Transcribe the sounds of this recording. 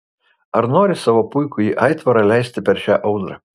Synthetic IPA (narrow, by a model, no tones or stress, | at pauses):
ɐɾnoːɾʲɪsɑːʋoːpʊɪkʊiːʔɐɪt̪ʋɐɾɐlʲɛɪsʲt̪ʲɪpʲɛɾʃʲæːʔɐʊd̪ɾɐ̰